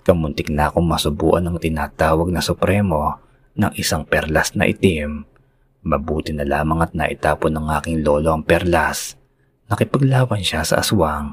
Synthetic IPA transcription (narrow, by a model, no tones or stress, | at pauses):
kɐmʊnt̪ɪk̚nakoŋmɐsʊbṵːʔɐnɐŋt̪ɪnaːt̪aːwɐɡ̚nɐsʊpɾɛmo̞ | nɐŋʔɪsaŋpɛɾlɐsnɐ̰ʔɪ̰t̪imː | ɐbuːt̪ɪnɐlaːmɐŋɐt̪̚nɐ̰ʔɪt̪aːponɐŋʔaːkɪŋlo̞ːlo̞ɐŋpɛɾlas | nɐkɪpɐɡlaːwɐnʃasɐ̰ʔɐ̰swaŋ